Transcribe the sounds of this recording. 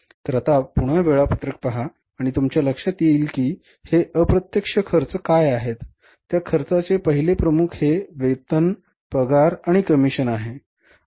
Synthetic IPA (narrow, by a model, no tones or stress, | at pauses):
t̪ɾət̪apuɽ̃əʋeɭapət̪ɾək̚pəɦaː | ɽ̃it̪umt͡ɕjaləkʂat̪jeiːlkiː | heʔəpɾət̪jəkʂəkʰəɾt͡səkajaɦet̪ː | jakʰəɾt͡sat͡sepəɦilepɾəmukʰheʋet̪ən | pəɡaɾaɽ̃ikəmiɕənaɦe